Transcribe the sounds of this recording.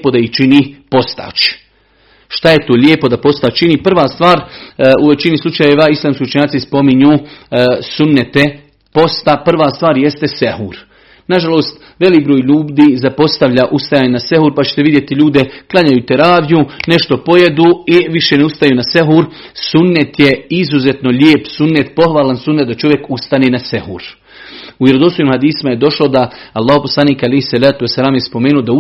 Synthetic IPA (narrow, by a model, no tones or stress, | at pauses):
po̞d̪aiht͡ʃiniːpo̞st̪a̰t͡ʃ | ʃt̪ajet̪oːʎʲeːpo̞d̪apo̞st̪aːt͡ʃt͡ʃiniːpr̩ʋaːst̪ʋaːɾuʋe̞t͡ʃinislˠut͡ʃajeʋaislˠaːmskʲiut͡ʃɲaːt̪sispo̞miɲuː | sunːet̪e̞ | po̞st̪apr̩ʋaːst̪ʋaːɾje̞st̪e̞sehṵːɾ | naʒalo̞ːst̪ | ʋe̞liːk̚bɾoːjʎuːbd̪iːzapo̞st̪aʋʎaʔust̪ajaɲnase̞huːɾpat͡ɕe̥t̪eʋid̪ʲje̞t̪iʎuːd̪e̞klˠaɲajuːt̪eɾaːʋjune̞ʃt̪o̞po̞jed̪uiʋiʃeneust̪ajunaseɦuːɾ | sunːet̪jeizuze̞t̪no̞ʎeːpsunːet̪po̞xʋaːlansunːet̪d̪at͡ʃo̞ʋje̞kust̪aneːnase̞hṵːɾ | uʋjeɾod̪ost̪ojiːmhad̪iːsimaje̞d̪o̞ʃlo̞d̪aalˠːaːhopo̞slˠaniːkalejhisalaːt̪uwesːalaːmjespo̞meːnuod̪au